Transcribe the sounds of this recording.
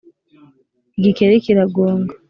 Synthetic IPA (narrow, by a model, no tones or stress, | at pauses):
iɡikeɾekiɾaɡoːŋɡa